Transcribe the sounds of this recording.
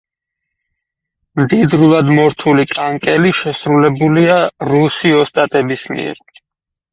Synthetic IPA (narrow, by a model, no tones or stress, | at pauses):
md̪id̪ɾulˠad̪mɔɾt̪ʰulikʼaŋkʼɛliʃɛsɾulɛbuliaɾusiɔst̪ʼat̪ʼɛbismḭɛ̰ɾ